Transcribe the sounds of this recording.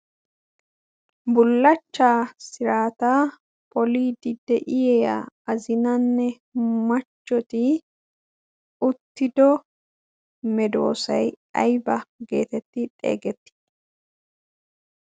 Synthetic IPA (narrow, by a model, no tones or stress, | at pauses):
bʊlːɐt͡ʃːaːsɪɾaːt̪aː | pʰʼɔliːd̪ɪd̪ːɛʔɪjɛjɐ̰ɐzɪnɐnːɛ | mɐt͡ʃːɔt̪ɪ | ʊt̪ːɪd̪ɔ | mɛd̪o̞̰ːsɐj | ɐ̰jbɐɡe̞ːt̪ɛt̪ːɪᶑ̪ʼe̞̰ːɡɛt̪ːɪ̥